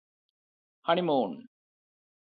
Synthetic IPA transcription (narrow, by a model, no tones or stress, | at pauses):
hɐɳimoːn